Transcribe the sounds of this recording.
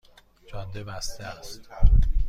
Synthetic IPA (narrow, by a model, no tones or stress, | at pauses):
t͡ʃʰɒnd̪ebæst̪ʰeæst̪